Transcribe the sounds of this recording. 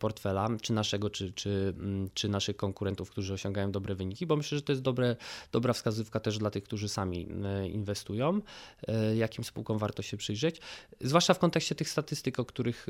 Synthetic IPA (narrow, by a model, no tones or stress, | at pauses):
pɔɾt̪fɛlat͡ʂɘnaʂɛɡɔt͡ʂɘt͡ʂɘt͡ʂɘnaʂɘxkɔŋkuɾɛnt̪ufkt̪uʐɘɔɕɔ̃ŋɡajɔ̃w̃d̪ɔbɾɛvɘɲikʲibɔmɘɕlɛʐɛt̪ɔjɛst̪̚d̪ɔbɾɛd̪ɔbɾafskazufkat̪ɛʐd̪lat̪ɘxk̚t̪uʐɘsamʲḭḭnvɛst̪ujɔ̃w̃ | jakʲimspṵwkɔ̃mvaɾt̪ɔɕɛpʂɘjʐɛt͡ɕzvwaʂt͡ʂafkɔnt̪ɛkɕt͡ɕɛt̪ɘxst̪at̪ɘst̪ɘkɔkt̪uɾɘx